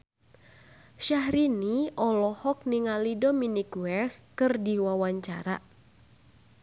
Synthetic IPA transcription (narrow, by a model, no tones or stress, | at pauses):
ʃaɦɾiniɔlɔhɔk̚niŋalidominikwɛskɨrdiwawaɲt͡ʃa̰ɾa̰